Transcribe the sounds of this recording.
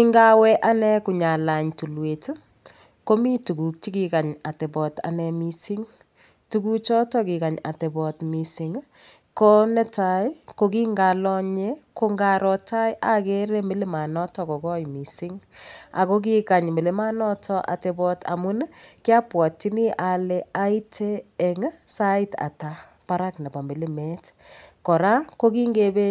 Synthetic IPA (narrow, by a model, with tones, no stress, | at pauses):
ki˦ŋɡa˦wɛ˦ʔa˦nɛ˦ku˨ɲa˨la˨ɲtu˨lwe˨t | ko˦mi˦tu˨ku˨k̚t͡ʃi˦ki˨ka˨ɲa˨tɛ˨bɔ˨ta̰˨nɛ˨misi˦ŋ | tuku˦kt͡ʃɔ˦tɔki˨ka˨ɲa̰˨tɛ˨bɔtmi˨si˨ŋ | ko˦nɛ˦tajko˦ki˦ŋɡalɔ˦ɲeko˦ŋɡaɾɔta˦jʔa˦ke˦ɾe˦mi˦le˦ma˨nɔ˦tɔ˨ko˨kɔ˦jmi˨sɪ˦ŋa̰˨ko˦k̬ika˨ɲme˨le˦ma˦nɔ˦tʰɔ˦ʔa̰˨te˨bɔ˧tʰa̰˨mu˦nkja˦pwɔ˨tːi˦ni˦ʔa˨lea˦i˦tʰeː˦˨ŋsa˦ɪ˦ta̰˨ta˨ | pa˦ɾa˦knɛ˨bɔ˨mbi˨lime˦tkɔ˨ɾa˦ko˦ki˦ŋɡe˦be˦